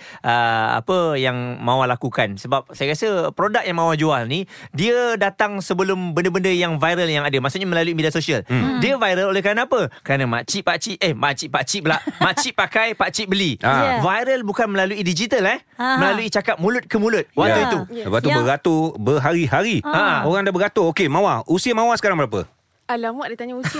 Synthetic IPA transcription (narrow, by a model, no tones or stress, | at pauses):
ʔəa̰pəjaŋmãwalakukansəbap̚sajəkasəpɾodak̚jaŋmawad͡ʒualnidiədat̪aŋsəbəlʊmbəndəbəndəjaŋvajɾəljaŋadəmasuʔɲaməlaluimidiasosiəldiəvajɾəlolehkəɾanapəkəɾanamat͡ʃiʔpat͡ʃiʔehmat͡ʃiʔpaʔt͡ʃiʔbəlaʔmmat͡ʃiʔpakajpaʔt͡ʃiʔbəliavajɾəlbukanməlaluidid͡ʒit̪əlɛh | mə̃laluit͡ʃakap̚mulʊt̪̚kəmulʊt̪̚wat̪ait̪uəbat̪ubəɡat̪obəɦaɾiɦaɾiaoɾaŋdabəɡat̪ookemãwausiəmãwasəkaɾaŋbəɾap̬ə̰ | alamwaʔdat̪aɲau